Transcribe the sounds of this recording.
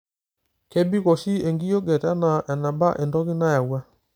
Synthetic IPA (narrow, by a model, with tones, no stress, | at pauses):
kɛ˦bi˦kɔ˨si˦ɛ˨ŋɡi˦jɔ˦ɡɛ˨ta˦na˨ʔɛ˨na˨ba˦ʔɛ˨ndɔ˦ɣi˦na˦ja˨wa˦